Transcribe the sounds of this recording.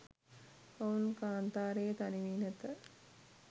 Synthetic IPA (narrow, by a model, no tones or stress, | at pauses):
aunkaːnt̪aːɾejət̪aniʋiːnɛt̪ə